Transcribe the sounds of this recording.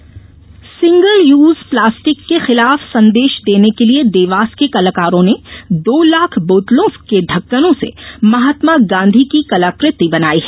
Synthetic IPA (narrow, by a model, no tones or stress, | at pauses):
sɪ̃ŋɡəljuːzplaːsʈɪkːexɪlaːfsɐ̃nd̪eːʃd̪eːnekelied̪eːʋaːskekɐləkaːɾõned̪oːlaːkʰboːt̪lõkeɖʱɐkːənõsḛmɐɦaːt̪maɡãːnd̪ʱikikɐlaːkɾɪt̪ibɐnaːiɦɛ